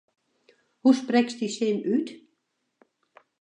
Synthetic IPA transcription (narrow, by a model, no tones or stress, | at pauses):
huspɾɛksd̪iseːnʉːt̪